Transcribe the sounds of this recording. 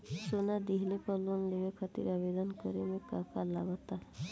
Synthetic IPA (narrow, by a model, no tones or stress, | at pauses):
sonad̪iɦlepəlunlebekʰət̪ḭɾabed̪ənkɔɾemekakalabət̪aɦɛ